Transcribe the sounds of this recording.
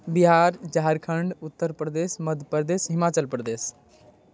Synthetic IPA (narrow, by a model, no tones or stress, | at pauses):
biɦaɾd͡ʒaɦəɾkʰəɳɖut̪ːəɾpɾəd̪esməd̪ʱəpəɾd̪esɦimat͡ʃəlpɾəd̪es